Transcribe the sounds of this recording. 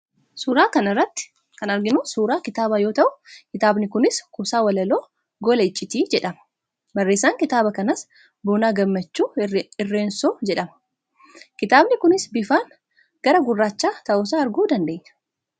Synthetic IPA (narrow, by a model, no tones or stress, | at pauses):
suːɾaːkɐnɐrːɐt̪ːɪ̥ | kɐnɐɾɡɪnʊsuːɾaːkɪt̪aːbajo̞ːt̪ɐʔʊkɪt̪aːbnɪkʊnɪskʊsaːwɐlɐloː | ɡɔlɐɪt͡ʃʼːɪt̪iːd͡ʒɛᶑɐmɐ̥ | bɐrːe̞ːsːaːŋkɪt̪aːbɐkɐnɐs | buːnaːɡɐmːɐt͡ʃːuːɪrːe̞ːnsoːd͡ʒɛᶑɐmɐ̥ | kɪt̪aːbnɪkʊnɪsbɪfaːn | ɡ̥ɐɾɐɡʊrːaːt͡ʃːaːt̪ɐʔoːs̬aːɐɾɡuːd̪ɐnd̪e̞ːɲːɐ̥